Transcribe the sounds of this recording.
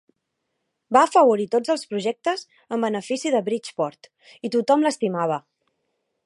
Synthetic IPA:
baːfəβ̞uɾit̪od͡zəlˠspɾuʒɛk̚t̪əz | əmbənəfisiðəβɾit͡ʃpɔɾt̪ | it̪ut̪ɔmləst̪imaβ̞ə

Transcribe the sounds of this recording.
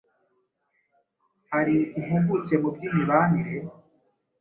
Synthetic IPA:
haɾiimuɡucemubɟiːniβaniɾe

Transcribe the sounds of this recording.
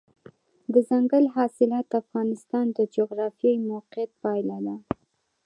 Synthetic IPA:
d̪əzaŋɡəlɦɑsɪlɑt̪afɣɑnɪst̪ɑnd̪əd͡ʒoɣɾɑfijajmoqɪjat̪̚pɑjlad̪a

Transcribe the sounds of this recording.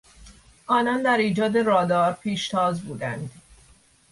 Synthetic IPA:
ʔɒːnɒːnd̪æɾiːd͡ʒɒːd̪e̞ɾɒːd̪ɒːɾpʰiːʃt̪ʰɒːzbuːd̪ænd̪̥

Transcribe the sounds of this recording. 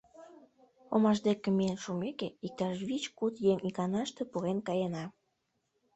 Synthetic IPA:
omɑʃd̪ekemeenʃumekeik̚t̪ɑʃβit͡ɕkut̪jeŋikɑnɑʃt̪epuɣenkɑjenɑ

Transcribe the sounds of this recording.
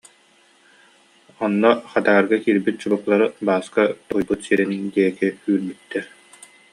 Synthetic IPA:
ɔnːɔχat̪aaɾɡakiːɾbit̪̚t͡ɕubuklˠaɾɯbaːskat̪ujbut̪siɾɛniŋd̪iɛkiyːɾbyt̪ːɛɾ

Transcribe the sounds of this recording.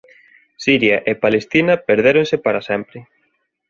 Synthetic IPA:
siɾjaʔepalest̪inɐpeɾðeɾonsɪpaɾɐsɛmpɾɪ

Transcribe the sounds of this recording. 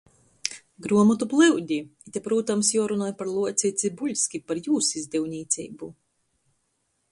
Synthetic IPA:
ɡɾuɔmɔt̪uplˠɨwd̪ʲiit̪ʲɛpɾuːt̪amsjɔɔɾunɔːjpaɾlˠuɔt̪sit̪sʲibulʲsʲkʲipaɾjuːsizʲd̪ʲiwnʲiːt̪sʲḭːbu

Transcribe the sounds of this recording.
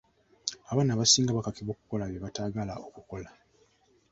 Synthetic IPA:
aβaːnaβasiːŋɡaβakakiβo̞ːku̥ko̞laβjeβataːɡalaokuko̞la

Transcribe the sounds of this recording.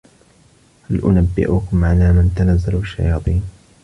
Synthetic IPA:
halʔʊnabːɪ̰ʔʊkʊmʕalaːmant̪anazːalʃːa̰jɑːt̪ˤiːn

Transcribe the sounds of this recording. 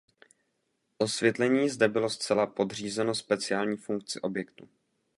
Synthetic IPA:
ʔo̞svjɛt̪lɛɲiːzdɛbɪlo̞st͡sɛlapo̞d̪r̝iːzɛno̞spɛt͡sɪaːlɲiːfuŋk̚t͡sɪʔo̞bjɛkt̪u

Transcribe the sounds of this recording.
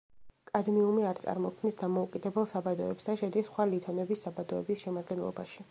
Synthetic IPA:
kʼad̪miumiaɾt̪sʼa̰ɾmɔkʰmnisd̪amɔukʼid̪ɛbɛlˠsabad̪ɔɛpsd̪aʃɛd̪isχwalit̪ʰɔnɛbisːabad̪ɔɛbisʃɛmad̪ɡɛnlˠɔ̰ba̰ʃi

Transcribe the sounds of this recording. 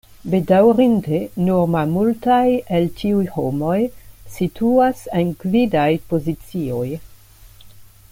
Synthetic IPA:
bedawɾindenoɾmamultajeltiujhomo̞jsitʰuasenkvidajpo̞zit͡sio̞j

